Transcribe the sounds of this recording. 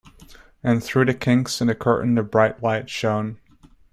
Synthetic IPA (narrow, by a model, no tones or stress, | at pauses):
ɨ̃nθɹʉɾɨkʰɪ̃ŋksɨ̃nɨkʰɜ˞ʔn̩ɨbɹaɪʔˡlaɪtʃõʊ̃n